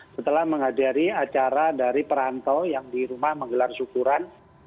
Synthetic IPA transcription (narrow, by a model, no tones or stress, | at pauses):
sət̪əlahməŋɦadaɾiat͡ʃaɾadaɾipəɾant̪ɔjaŋdiɾumahməŋɡəlarsukuɾan